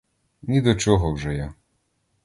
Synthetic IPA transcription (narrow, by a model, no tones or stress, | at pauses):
nʲid̪ɔt͡ʃɔɦɔwʒɛja